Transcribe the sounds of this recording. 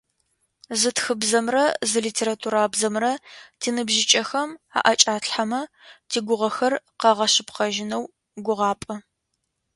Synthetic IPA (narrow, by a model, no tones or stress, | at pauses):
zɨtxɨbzɐmrɐzɨliːtʰeːɾatʰuːɾaːbzɐmrɐtʰiːnɨbʒɪt͡ʃʼɐxɐma̰ːʔɐt͡ʃʼaːɬħamɐ | tʰiːɡʷʊʁɐxɐrqɑʁɐɕɨpqɐʒɪnɐw | ɡʷʊʁɑːpʼɐ